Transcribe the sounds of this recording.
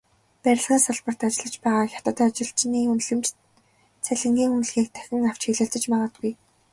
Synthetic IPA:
pæɾʲɪ̆ɮʁĭːŋsʊɮpə̆r̥t̪at͡ɕɪ̆ɮə̆t͡ɕpæːʁaːxʲḁt̪ə̆t̪ʰːt͡ɕɪ̆ɬt͡ɕniːunɮɘ̆mt͡ɕ | t͡sʰæɮɪ̆ŋɡʲiːŋunɮɣiːk̚t̪ʰæ̥xʲɪ̆ŋaw̥t͡ɕxiɮɘ̆ɬt͡sə̆t͡ɕmaʁə̆t̪̚ɡuj

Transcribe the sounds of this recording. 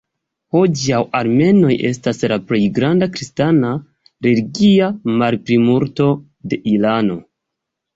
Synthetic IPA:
ho̞d͡ʒawaɾme̞no̞jʔe̞̰staslaple̞jɡɾandakɾistana | ɾe̞liɡiamaɾpɾimuɾto̞ | de̞ʔilano̞

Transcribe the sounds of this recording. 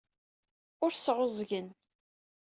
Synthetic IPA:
ʊɾsʁʊzˤʝən

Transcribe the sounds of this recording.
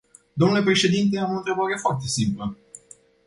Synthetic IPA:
d̪o̞mnule̞pɾe̞ʃe̞d̪int̪̬e̞amo̞nt̪ɾe̞baɾe̞foart̪e̞simplə

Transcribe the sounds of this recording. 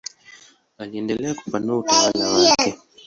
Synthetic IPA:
aliɛndɛlɛaku̥fanuautawalawakʰɛ

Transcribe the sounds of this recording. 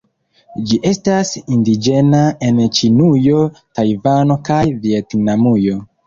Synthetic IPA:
d͡ʒiʔe̞stasindid͡ʒe̞nae̞nt͡ʃinujo̞tajvano̞kajvietnamujo̞

